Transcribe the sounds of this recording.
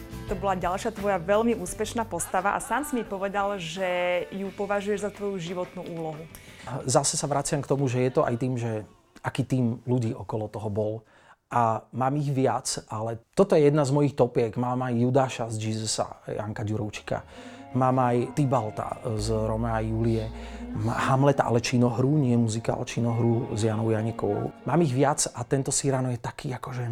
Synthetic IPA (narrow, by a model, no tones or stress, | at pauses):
t̪ɔbɔlaɟalʃɪat̪ʋɔjaʋɛlmiuːspɛʃnaːpɔst̪aʋaʔa̰saːnsmipɔʋɛd̪alʒɛjupɔʋaʒujɛʒzat̪ʋɔjuʒiʋɔt̪nuʔuːlɔɦuzasɛsaʋɾat͡sɪamkt̪ɔmuʒɛjɛt̪ɔʔa̰jt̪iːmʒɛ | akiːt̪iːmluɟiːʔɔkɔlɔt̪ɔɦɔbɔl | ʔamaːmiɣʋɪat͡sʔalɛt̪ɔt̪ɔjɛjɛd̪nazmɔjixt̪ɔpɪɛɡmaːmajːud̪aːʃazd͡ʒiːzɛsa̰ja̰ŋkaɟuɾɔʊt͡ʃi̥ka̰maːmajt̪ibalt̪a̰zɾɔmɛajulijɛmahamlɛt̪aʔa̰lɛt͡ʃinɔɦɾuːɲɪɛɛmuzika̰lɛt͡ʃinɔɦɾuzjanɔʊjaɲɛkɔʊmaːmiɣʋat͡sat̪ɛnt̪ɔsiɾanɔjɛt̪akʰiːakɔʒɛ